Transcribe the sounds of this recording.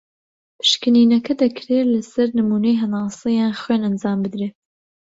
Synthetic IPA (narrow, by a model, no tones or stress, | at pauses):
pʰɨ̥ʃkɨniːnɐkʰɐd̪ɐkʰɾeːlɐsɐɾnɨmuːnɐjɦɐnɑːsˤɨjaːnxweːnɐnd͡zɑːmbɨd̪ɾeː